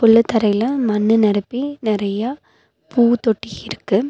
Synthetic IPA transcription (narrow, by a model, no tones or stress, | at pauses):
pʊɭːɯt̪ːɐɾɐɪlɐmɐnːɯnɐɾɯpːinɪɾɐjɐ | pʰuːt̪ɔʈːiɪɾɯkːɯ